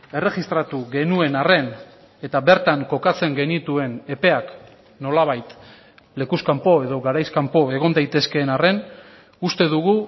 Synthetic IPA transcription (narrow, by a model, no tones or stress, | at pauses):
e̞re̞ɣist̪ɾat̪uɣe̞nue̞nare̞n | et̪aβe̞ɾt̪aŋko̞kat͡se̞ŋɡe̞nit̪ue̞ne̞pe̞ak | no̞laβ̞ajt̪ | le̞kuskampo̞e̞ðo̞ɣaɾajskampo̞e̞ɣ̞o̞nd̪ajt̪e̞ske̞ːnare̞n | ust̪e̞ðuɣu